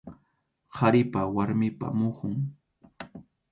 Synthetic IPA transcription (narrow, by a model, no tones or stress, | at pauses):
hʰaɾɪpawaɾmɪpa̰mʊχʊŋ